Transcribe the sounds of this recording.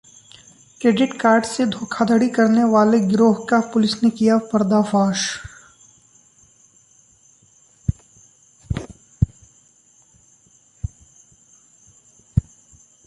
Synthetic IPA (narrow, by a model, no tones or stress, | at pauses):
kɾeːɖɪʈkaːɾɖsed̪ʱoːkʰad̪əɽikɐɾneʋaːleɡɾoːɦkapʊlɪsnekijapɐɾd̪afaːʃ